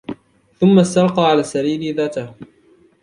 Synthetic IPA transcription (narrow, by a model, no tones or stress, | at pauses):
θʊmːast̪ɑɾˤqɑʕalaːsːaɾiːlɪðaːt̪ah